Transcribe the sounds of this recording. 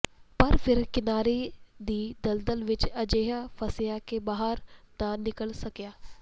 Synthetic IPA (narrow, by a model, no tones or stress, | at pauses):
pɐɾfʰɪɾkɪnaːɾed̪iːd̪ɐld̪əlʋɪt͡ʃɐd͡ʒeːɦapʰɐsɪjakebaːɦəɾt̪ãnɪkəlsɐkjaː